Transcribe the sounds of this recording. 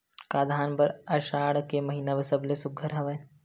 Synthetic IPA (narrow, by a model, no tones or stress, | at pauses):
kaːd̪ʱaːnbəɾɐʃaːɽkemɐɦiːnabəsəblesʊɡʱəɾɦɐʋə